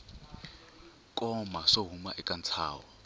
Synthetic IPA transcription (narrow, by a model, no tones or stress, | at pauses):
kʼɔmaʂoɦuma̰ʔɛkʼant͡sʰa̰ːwɔ